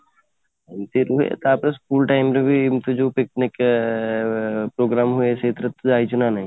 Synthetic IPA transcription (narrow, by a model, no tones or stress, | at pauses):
ɪmt̪iɾuɦḛt̪aːpɾeskuːlʈaːɪmɾebʱiɪmt̪id͡ʒoːpɪknɪk | pɾoːɡɾaːmɦʊeʃeːt̪ɾət̪ːaːit͡ʃʰunanɐɦĩ